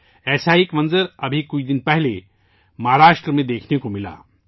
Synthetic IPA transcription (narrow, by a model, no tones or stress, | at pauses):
ɛːsaikmɐ̃nzəɾɐbʱikʊt͡ʃd̪ɪnpɛɦle | mɐɦaɾaːʃʈɾəmẽd̪eːkʰnekomɪla̰ː